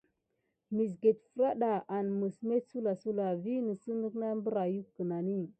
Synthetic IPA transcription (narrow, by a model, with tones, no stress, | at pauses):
mi˨s̬ɡe˨tfə˨ɾa˦ɗa˨ʔa˨n˨mə˨sme˦tsu˦la˨su˦la˨vi˦nə˨su˦nə˦kna˦mbə˦ɾa˨ju˦kːə˨na˨ni˦˨